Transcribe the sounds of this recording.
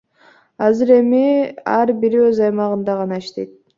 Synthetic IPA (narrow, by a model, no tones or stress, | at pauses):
ɑzɨɾe̞miɑɾbiɾøzɑjmɑʁɯnd̪ɑʁɑnɑiʃt̪e̞jt̪̚